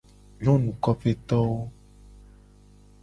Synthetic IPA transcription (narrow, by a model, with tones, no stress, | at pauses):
ɲɔ̃˦nũ˨kɔ˦ɸe˦t̪ɔ˦wo˦